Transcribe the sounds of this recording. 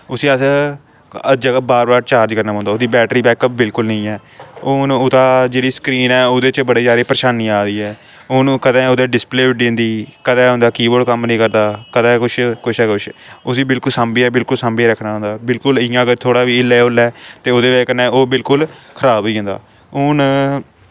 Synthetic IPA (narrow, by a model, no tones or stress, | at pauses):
ʊsĩːəs | əd͡ʒəɡaːbaːɾbaːɾt͡ʃaːɾd͡ʒkəɾnaːɦõnd̪aoːd̪iːbɛːʈɾiːbɛːkəp̚bɪlkʊlnəĩːɛːonʊt̪aːd͡ʒeːɽiːskɾiːnɛːoːd̪eːt͡ʃbəɽeːd͡ʒjaːɾeːpɾəʃaːniːaːɾiːɛː | oːñːkəd̪ɛ̃ːoːd̪eːɖɪspleːʊɖɪnd̪iːkəd̪ɛːɦõːnd̪aːkiːbəɾɖkəmnəĩːkəɾd̪aːkəd̪ɛ̃ːkʊt͡ʃʰkʊʃʰɛːkʊʃʰʊsiːbɪlkʊlsaːmbiːɛːbɪlkʊlsambiːɾəkʰnaːɦõːnd̪aːbɪlkʊlɪjãːəɡəɾt̪ʰoːɽaːʋiːɪleːʊlɛːt̪eːoːd̪eːʋeːkənɛ̃ːoːbɪlkʊlkʰəɾaːbʋiːɦõnd̪a̰ː | ʊn